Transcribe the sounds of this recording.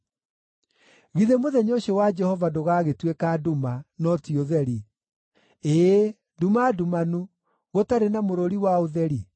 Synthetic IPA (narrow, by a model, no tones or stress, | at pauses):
ɣiðemoðɛɲoɕɔwad͡ʒɛhɔvadoɣaɣetwekadumanɔtioðɛɾi | e | dumadumanu | ɣotaɾenamoɾoɾiwaoðɛɾi